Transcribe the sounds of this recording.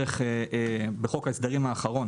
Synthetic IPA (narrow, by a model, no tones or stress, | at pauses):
eχeebeχo̞kaesd̪aʁimaːχaʁo̞n